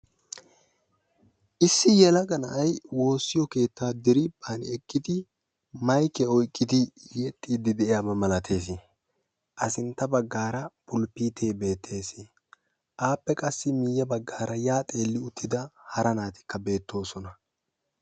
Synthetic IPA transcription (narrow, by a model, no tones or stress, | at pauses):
ʔɪsːɪjɛlɐɡɐnɐʔɐjwo̞ːsːɪjɔke̞ːt̪ːaːd̪ɪɾɪb̥an̰ɛkʼːɪd̪ɪ | mɐjkɛɔjkʼːɪd̪ɪjɛt̪ʼːiːd̪ɪd̪ɛʔjaːbɐmɐlɐt̪ʰe̞ːs̬ɪ | ʔɐsɪnt̪ːɐbɐɡːaːɾɐbʊlpiːt̪ʰeːbe̞ːt̪ʰːe̞ːsɪ | ʔaːpːɛkʼɐsːɪmɪjːɐbɐɡːaːɾɐjaːt̪ʼe̞ːlːɪʊt̪ːɪd̪ɐhɐɾɐnaːt̪ɪ̥kːɐbe̞ːt̪ːo̞ːsɔnɐ